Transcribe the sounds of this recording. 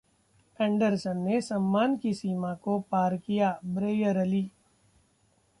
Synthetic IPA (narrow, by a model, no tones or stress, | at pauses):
ɛ̃ːɳɖəɾsənːesɐmːaːnkisiːmakopaːɾkijabɾeːjəɾəliː